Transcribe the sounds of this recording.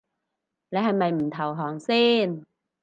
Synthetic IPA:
lɛ˨˥hɐ˧jmɐ˨˧jm̩˨˩t̪ʰɐ˨˩wɦɔː˨˩ŋsiː˥˩n

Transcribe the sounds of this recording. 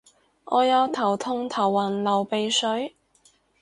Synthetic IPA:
ŋʔɔː˨˧jɐ˨˧wt̪ʰɐ˨˩wt̪ʰʊ˧ŋt̪ʰɐ˨˩wːɐ˨˩nlɐ˨˩wpe˨˧jsɵ˨˥ɥ

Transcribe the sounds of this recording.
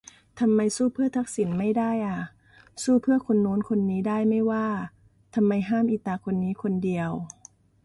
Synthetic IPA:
t̪ʰa˧mːa˧jsuː˧˥˩pʰɯ˥˩ɐt̪ʰa˦˥k̚si˨˦nma˥˩jda˥˩jʔa˧˩ | suː˧˥˩pʰɯ˥˩ɐkʰo˧nːoː˨˦˥nkʰo˧nːiː˦˥daː˥˩jma˥˩jwaː˧˥˩ | t̪ʰa˧mːa˧jɦaː˥˩˨mʔi˧˩t̪aː˧kʰo˧nːiː˨˦˥kʰo˧ndi˧əw

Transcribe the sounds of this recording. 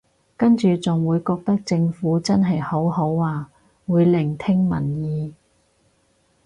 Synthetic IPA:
kɐ˥nt͡ʃyː˨t͡sʊ˨ŋwuː˨˧jkɔː˧k̚t̪ɐ˥k̚t͡sɪ˧ŋfuː˨˥t͡sɐ˥nɦɐ˨jho˨˥who˨˥wːaː˨˧ | wuː˨˧jlɪ˨˩ŋt̪ʰɪ˥ŋmɐ̰˨˩njiː˨˧

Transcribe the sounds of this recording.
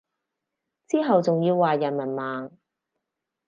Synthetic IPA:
t͡siː˥ɦɐ˨wt͡sʊ˨ŋjiː˧wːaː˨jɐ˨˩nmɐ˨˩nmaː˨ŋ

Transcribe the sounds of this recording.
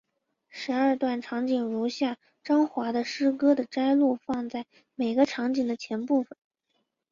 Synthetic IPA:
ʂɻ̩˧˥ɐ˞˥˧t̪wa˥˩nʈ͡ʂʰɑ˧˥ŋt͡ɕi˨˩ŋɻu˧˥ɕja˥˩ | ʈ͡ʂɑ˥ŋxwa˧˥d̪ə˧ʂɻ̩˥kɤ˥d̪ə˨ʈ͡ʂa˥ɪlu˥˧fɑ˥˧ŋt͡sa˥˩ɪ | me˨˩ɪɡə˦ʈ͡ʂʰɑ˧˥ŋt͡ɕi˨˩ŋd̪ə˦t͡ɕʰjɛ˧˥npu˥˩fə˨˩n

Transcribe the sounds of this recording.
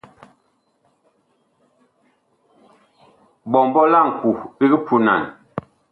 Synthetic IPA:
bɔ˨m˨bɔ˦la˦˨ŋ̩˨ku˨bi˦ɡi˦pʰu˨na̰˨n

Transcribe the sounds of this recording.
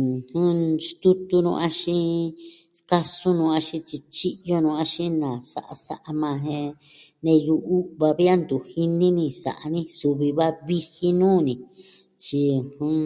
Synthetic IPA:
hũ˦st̪u˦t̪u˧nṵ̃˧a˦ʃĩ˦ | ska˦sũ˦nũː˧a˧ʃĩ˦t͡ʃi˧t͡ʃi˦ʔjo˦nũ˧ã˧ʃĩ˦nã˨sa̰˦ʔa̰˧sa̰˧ʔa˧mã˧ɦẽ˧ | nẽ˧ju˧u˦βa˧βi˦a˦nd̪u˨hi˦nĩ˦nĩ˧sa̰˨ʔa˧nĩ˦su˧βi˧βa˦βi˦hi˦nũː˦˨nĩ˨ | t͡ʃi˧hũ˦

